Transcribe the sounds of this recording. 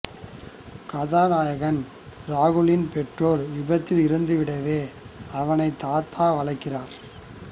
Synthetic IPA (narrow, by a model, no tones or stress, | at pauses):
kɐðaːnaːjɐɣɐn | ɾaːɣɯlɪnpɛʈroːɾʋɪbɐt̪ːɪlɪɾɯnd̪ɯʋɪɽɐʋeːɐʋɐnɐɪt̪ːaːt̪ʰːaːʋɐlɐɪkːɪraːɾ